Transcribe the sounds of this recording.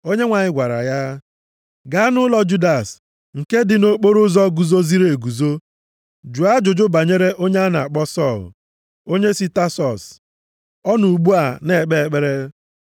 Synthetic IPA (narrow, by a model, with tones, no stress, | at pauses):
o˦ɲe˦ŋʷa˨ɲɪ˦ɡʷa˨ɾa̰˨ja˦ | ɡa˦nʊ˦lɔ˦d͡ʒu˦da˨s | ŋ̩˨ke˦dɪ˨no˨k͡po˦ɾʊ˦zɔ˦ɡu˨zo˦zi˦ɾe˨ɡu˨zo˦ | d͡ʒu˨a˦d͡ʒʊ˨d͡ʒʊ˦ba˨ɲe˦ɾe˦ʔo˦ɲe˦a˦na̰˨a˨k͡pɔ˦sɔ˦˨l̰ | o˦ɲe˦si˦ta˦sɔ˨s | ɔ˦nu˨ɡ͡bu˦a˨ne˨k͡pe˦e˨k͡pe˦ɾe˦